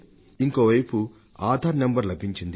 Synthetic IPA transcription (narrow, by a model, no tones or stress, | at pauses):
iŋkoːʋɐjpu | aːd̪ʱaːɾnembɐɾlɐbʱiɲt͡ʃind̪i